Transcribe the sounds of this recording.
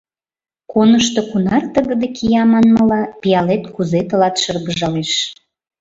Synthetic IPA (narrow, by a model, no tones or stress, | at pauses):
konəʃt̪okunɑrt̪əɣə̆d̪ekʰijɑmɑnmɤlɑpijɑlet̪kuzet̪əlɑt̪ʃərɣəʒɑleʃ